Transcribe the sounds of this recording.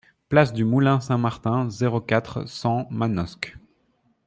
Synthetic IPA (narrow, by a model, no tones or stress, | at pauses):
plasd̪ymulɛ̃sɛ̃maʁt̪ɛ̃zeʁokʲat̪χsɑ̃manɔsk